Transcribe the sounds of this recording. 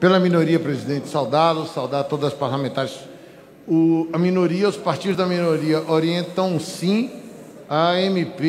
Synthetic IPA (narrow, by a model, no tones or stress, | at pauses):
pelɐmĩnoɾiɐpɾezid̪ẽnt͡ʃɪ̥sawd̪ad̪ʊsawd̪adt̪od̪ɐzɐspaɾlamẽnt̪aɾjɪs | ʊɐmĩnoɾiɐʊspaɾt͡ʃid̪ʊzd̪ɐmĩnoɾiɐʔoɾiẽnt̪ɐ̃w̃sĩ | ɐẽmipe